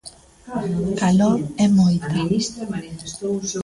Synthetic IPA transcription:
kaloɾɛmojt̪a

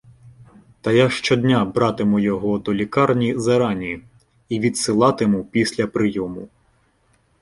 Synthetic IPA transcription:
t̪ɐjaʃt͡ʃɔd̪ʲnʲabɾɑt̪ɪmʊjɔɦɔd̪ɔlʲikɑrnʲizɐɾɑnʲi | iʋʲid̪sɪlˠɑt̪ɪmʊpʲisʲlʲɐpɾɪjɔmʊ̰

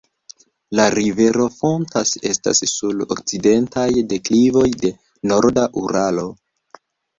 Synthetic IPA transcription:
laɾive̞ɾo̞fo̞ntase̞sta̰sːulo̰k̚t͡side̞ntajde̞klivo̞jde̞ | no̞ɾdaʔuɾalo̞

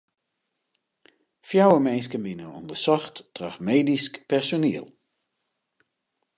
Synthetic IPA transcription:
fjawəmɛjnskənbɪnəɔ̰ndəsɔxttraxmeːdiskpɛrsoniːəlˠ

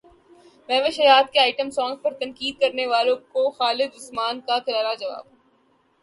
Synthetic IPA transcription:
mɛ̃ːʋeʃɐjaːt̪̚keaːɪʈəmsɔ̃ːŋɡpɐɾt̪ɐ̃ŋkiːd̪̚kɐɾneʋaːlõkoxaːlɪd̪ʊsmaːnkakɪɾaːɾad͡ʒɐʋa̰ːb

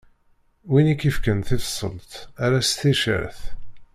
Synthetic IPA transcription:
winikːifkənθifsˤːə̰lt̪æɾæst̪iʃə̰ɾθ

